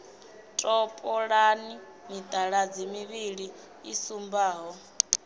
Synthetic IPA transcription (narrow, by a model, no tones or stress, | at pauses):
tʼɔpʼɔɺani | mid̪ʼaɺad͡zimiβiɺi | isumbaːɦɔ